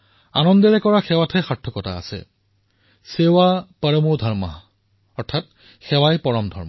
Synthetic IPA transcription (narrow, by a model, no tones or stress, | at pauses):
a̰nɔndɛɹɛkɔɹaxɛwatʰɛxaɹtʰːɔkɔta̰ːsɛ̰ | sewapaɹɔmudʱaɹma̰ | ɔɹtʰat̚ | xɛwajpɔɹɔmdʱɔ̰ɹma